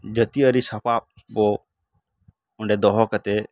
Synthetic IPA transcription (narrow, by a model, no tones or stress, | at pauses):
d͡ʒət̪iəɾisapap̚ | bɔ | uɳɖɛd̪ɔɦɔkat̪ɛ